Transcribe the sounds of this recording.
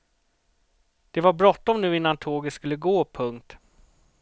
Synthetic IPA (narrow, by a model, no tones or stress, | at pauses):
d̪̥ɛvaɾbɾɔt̪ːɔmnʉ̟ːɪnːant̪ʰoːɡət̪skɵlːəɡoːpʰɵŋk̚t̪